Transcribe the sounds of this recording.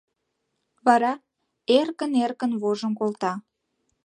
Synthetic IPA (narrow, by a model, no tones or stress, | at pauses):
βɑɾɑ | erkənerkənβoʒəmkolt̪ɑ